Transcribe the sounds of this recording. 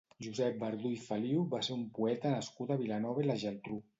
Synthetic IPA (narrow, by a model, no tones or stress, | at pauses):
ʒuzɛp̚bəɾðuifaliuβaseɾumpuɛt̪ənəskut̪aβilanɔβəilaʒɛlt̪ɾu